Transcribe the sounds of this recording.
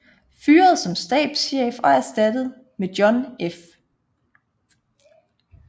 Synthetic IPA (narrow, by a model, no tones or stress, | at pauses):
fyːɐð̞̩ˠsɒ̽msd̥ɛ̰ːd̥sɕḛːfɒ̽æɐsd̥æd̥əð̞̩ˠ | med̥jɒ̽nef